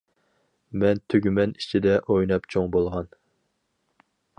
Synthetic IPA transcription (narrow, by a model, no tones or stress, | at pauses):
mɛnt̪ʰøɡʲymɛni̥t͡ʃʰid̪ɛʔojnɑpt͡ʃʰoŋbolˠʁɑn